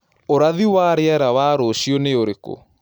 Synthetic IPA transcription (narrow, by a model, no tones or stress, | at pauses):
oɾaðiwaːɾeɛɾawaːɾoːʃiɔneoɾeko̰